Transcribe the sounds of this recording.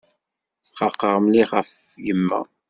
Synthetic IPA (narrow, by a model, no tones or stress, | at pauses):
χɑqːəʁmliχəfɡəmːæ̰